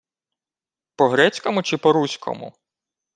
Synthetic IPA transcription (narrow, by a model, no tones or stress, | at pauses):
pɔɦɾɛt͡sʲkɔmʊt͡ʃɪpɔɾusʲkʰɔ̰mʊ̰